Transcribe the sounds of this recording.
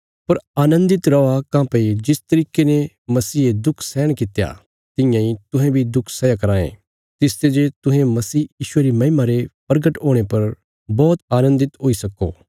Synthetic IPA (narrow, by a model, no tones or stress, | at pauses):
pɐɾaːnə̃nd̪ɪt̪ɾɔakãːped͡ʒɪst̪ɐɾiːkene | mɐsiːed̪ʊkʰsɛːɽ̃kɪt̪ja̰ | t̪ɪ̃jãĩt̪ʊɦɛ̃bʱid̪ʊkʰsɛjakɐɾaːḛ̃ | t̪ɪst̪ed͡ʒet̪ʊɦẽmɐsiːjiːʃʊeɾimɐɪmaɾepɐɾɡəʈɦoːɽ̃epɐɾ | bɔːt̪aːnə̃nd̪ɪt̪ɦoːisɐkːo̰ː